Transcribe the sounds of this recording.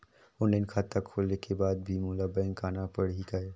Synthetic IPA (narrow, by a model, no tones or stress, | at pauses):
ʊnlaɪnkʰaːt̪akʰoːlekebaːd̪̚bʱimulabə̃ŋkaːnapəɽɦikaeː